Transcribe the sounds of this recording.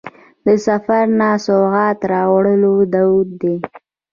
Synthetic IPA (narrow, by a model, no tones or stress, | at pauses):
d̪əsafaɾnasoɣɑt̪ɾɑwɽəlod̪awd̪̚d̪e